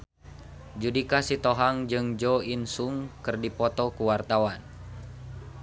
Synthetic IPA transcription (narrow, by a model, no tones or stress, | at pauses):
d͡ʒudikasit̪ɔɦaŋd͡ʒɨŋd͡ʒɔinsuŋkɨrdipɔt̪ɔkuwart̪awan